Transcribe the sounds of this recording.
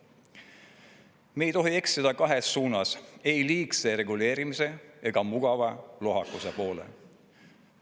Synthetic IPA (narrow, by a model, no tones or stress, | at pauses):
me̞jt̪o̞ɦie̞ksid̪̥ɑkɑɦe̞sːuːnɑse̞jliːkse̞ɾe̞ɡule̞ːɾimise̞eɡ̥ɑmuɡ̥ɑvɑlo̞ɦɑkːˑuse̞po̞ːle̞̰